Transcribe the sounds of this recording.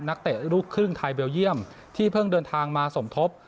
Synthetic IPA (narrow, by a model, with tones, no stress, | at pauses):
na˦˥k̚t̪ɛ˨˩ɾuː˥˩kʰːɾɯ˥˩ŋt̪ʰaː˧jbeː˧wji˥˩əm | t̪ʰiː˥˩pʰɤ˥˩ŋdɤː˧nt̪ʰaː˧ŋmaː˧so˩˦mt̪ʰo˦˥p̚